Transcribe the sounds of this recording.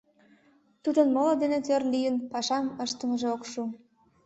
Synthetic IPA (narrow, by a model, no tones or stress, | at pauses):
t̪ud̪ənməlod̪enet̪ørlijənpɑʃɑməʃt̪əməʒeokʃu